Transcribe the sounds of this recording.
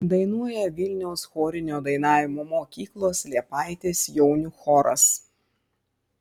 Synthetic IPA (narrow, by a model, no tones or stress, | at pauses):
d̪ɐɪnuɔjɛʋʲɪlʲnʲɛʊsxoːɾʲɪnʲoːd̪ɐɪnɑːʋʲɪmoːmoːkʲiːklˠoːslʲiɛpɑɪt̪ʲeːsjɛʊnʲʊxɔːɾɐ̰s